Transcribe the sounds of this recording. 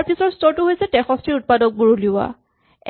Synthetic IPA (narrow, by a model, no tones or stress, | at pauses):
ɹpʰisɔɹstɔɹtʊɦojsɛtɛxɔstɹiut̚padɔk̚buɹuliʊa̰